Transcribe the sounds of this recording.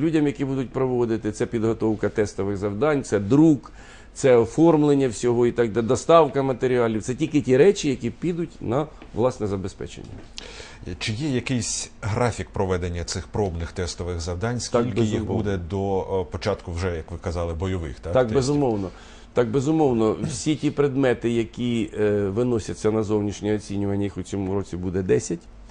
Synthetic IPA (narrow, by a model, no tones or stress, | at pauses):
lʲudʲɐmjɐkʲibud̪ʊt̚ʲpɾɔʋɔd̪ɪt̪ɪt̪sɛpʲid̪ɦɔt̪ɔwkɐt̪ɛst̪ɔʋɪɣzɐwd̪ɑnʲt̪sɛd̪ɾuk | t̪sɛɔfɔrmlˠenʲːɐwsʲɔɦɔit̪ɑɡd̪ɛd̪ɔst̪ɑwkɐmɐt̪eɾʲiɑlʲiwt̪sɛtʲilʲkɪtʲiɾɛt͡ʃijɐkʲipʲid̪ʊtʲnɐ | ʋlˠɑsnɛzɐbespɛ̰t͡ʃḛnʲːɐ̰ | t͡ʃɪjɛjɐkɪjsʲɦɾɑfʲik̚pɾɔʋɛd̪enʲːɐt̪sɪxpɾɔbnɪxt̪ɛst̪ɔʋɪɣzɐwd̪ɑnʲsk̪ɑilʲb̪ʲjixbɔud̪ɛd̪ɔpɔt͡ʃɑt̪kʊwʒɛjɐkʋɪkɐzɑlˠɪbɔjɔʋɪ̰xt̪ɑt̪ɑkbɛzʊmɔwnɔ | t̪ɑk̚bezʊmɔwnɔwsʲitʲipɾed̪mɛt̪ɪjɐkʲiʋɪnɔsʲɐtʲt͡sʲːɐnɐzɔwnʲiʃnʲɛɔt͡sʲinʲʊʋɐnʲːɐjixʊt͡sʲɔmuɾɔt͡sʲibud̪ɛd̪ɛsʲɐtʲ